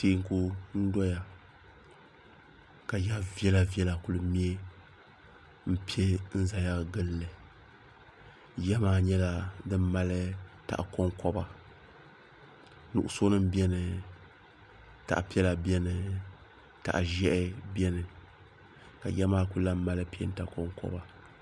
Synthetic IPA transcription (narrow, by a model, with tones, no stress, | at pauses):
teː˦ŋ˦ku˦n̩˦dɔ˦ja˨ | ka˨ja˦vɛ˦la˨vi˦ɛ˦la˨ku˨lɨ˨mi˦e˦ | m̩˦pi˦e˦n̩˦za˨ja˦ɡɨ˦lːɨ˨ | jɛ˦maː˦ɲɛ˦la˦dɨ˦m˦mːa˦lɨ˦ta̰˨ʔko˦ŋkɔ˦ba˨ | nṵ˨ʔʊ˦so˦nɨ˦m̩˦bɛ˦nɨ˨ | ta̰˨ʔpi˦ɛ˦la˨bɛ˦nɨ˨ | ta̰˨ʔʒɛ˦ʔɪ˦bɛ˦nɨ˨ | ka˨jɛ˦maː˦ku˦la˦m˦ma˦lɨ˦pi˦ɛ˦n̩˦ta˨˦kɔ˦ŋkɔ̰˦ba˨